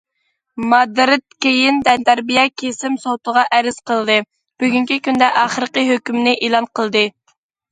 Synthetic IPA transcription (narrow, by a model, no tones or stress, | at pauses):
mɑd̪ɾɨt̪̚kʲejind̪ɛnt̪ʰæɾbijɛkʲʰesɪmsowt̪əʁɑʔɛɾɪz̥qʰəlˠd̪ɨ | b̥yɡʲyŋkʲʰikʲynd̪ɛʔɑχəɾəqəɦøkʲymnɪʔelˠɑnqʰəlˠd̪ɨ